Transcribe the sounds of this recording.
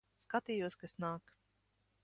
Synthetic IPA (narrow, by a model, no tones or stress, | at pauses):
skat̪iːjuɔskaesnaːk